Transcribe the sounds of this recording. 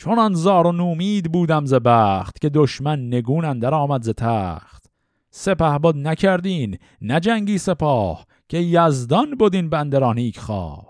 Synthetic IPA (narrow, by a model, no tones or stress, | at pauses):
t͡ʃʰonɑnzɒːɾonuːmiːd̪buːd̪æmzebæːχt̪kʲe̞d̪oʃmænːe̞ɡuːnænd̪æɾɒːmæd̪zet̪ʰæːχt̪ | se̞pæhbod̪nækʲʰæɾd̪iːnː | æd͡ʒæŋɟiːse̞pʰɒːh | kʲʰe̞jæzd̪ɒnbod̪iːnbænd̪eɾɒːniːkʰχɑ̰ː